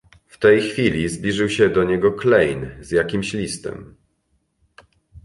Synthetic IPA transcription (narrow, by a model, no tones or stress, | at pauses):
ft̪ɛjxfʲilʲizblʲiʐɘwɕɛd̪ɔɲɛɡɔklɛjnzjakʲimɕlʲist̪ɛ̰m